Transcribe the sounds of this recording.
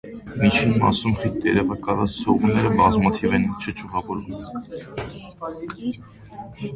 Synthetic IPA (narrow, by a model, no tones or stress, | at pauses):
mit͡ʃʰinmɑ̰sumχit̪jɛɾɛʁɑkɑlɑt͡st͡sʰɔ̰ʁunːɛɾəbɑzmɑt̪ʰivɛnt͡ʃʰət͡ʃʰuʁɑvɔɾum